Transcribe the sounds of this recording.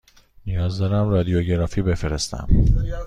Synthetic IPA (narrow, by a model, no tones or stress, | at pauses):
nijɒːzd̪ɒːɾæmrɒːd̪ijoɟeɾɒːfiːbe̞feɾest̪æ̰m